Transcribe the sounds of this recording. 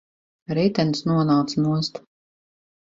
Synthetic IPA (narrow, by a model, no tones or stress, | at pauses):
ɾɛjt̪ɛnsnuɔnawt̪smust̪